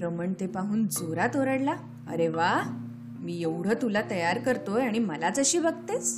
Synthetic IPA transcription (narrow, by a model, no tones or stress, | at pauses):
ɾəməɳt̪epaɦuːnd͡zoɾat̪oɾəɽla | ə̰ɾeʋa | miːjeʋɽ̤ət̪ulat̪əjaɾkəɾt̪ojaɽ̃iməlat͡səɕiːbəɡt̪et͡s